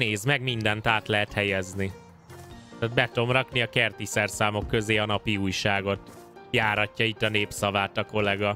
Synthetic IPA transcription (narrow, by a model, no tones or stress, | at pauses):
neːzmɛɡmind̪ɛnt̪aːt̪lɛɦɛt̪hɛjɛzni | ad̪̚bɛt̪o̞mrɒkniɒkɛrt̪isɛrsaːmo̞kːø̞zeːɒnɒpiuːjʃaːɡo̞t̪ | jaːɾɒcːɒit̪ːɒneːpsɒvaːt̪ɒko̞lɛɡɒ